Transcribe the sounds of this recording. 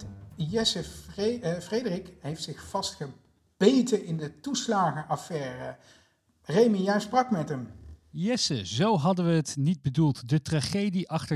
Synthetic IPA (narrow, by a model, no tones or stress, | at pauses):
jɛsə | frejdərɪkɦejftsɪχfɑstχə | b̥ejtəɪndətuslaːχəʔɑfɛːrə | rejməjasprɑkmɛtɦəmjɛsəzowɦɑdəʋəɦətnid̚bədulˠtdətraχejdiʔɑχtə